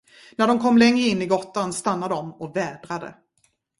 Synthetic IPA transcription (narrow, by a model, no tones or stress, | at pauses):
næɖɔmkʰɔmːlɛŋɾəɪnːɪɡɔt̪ːanst̪anːad̪ɔmɔvɛːd̪ɾad̪ə̰